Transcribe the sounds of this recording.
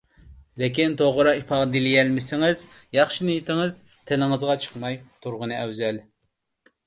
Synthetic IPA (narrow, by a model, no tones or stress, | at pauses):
lɪkʲint̪ʰoʁʊɾɑipʰɑd̪ilɪɡʲɛlmɪsɪŋɪzjɑχʃinɪjet̪ʰɪŋɨz | t̪ʰelɪŋɨzʁɑt͡ʃʰə̥qmɑjt̪ʰuɾʁənɨɛwzɛl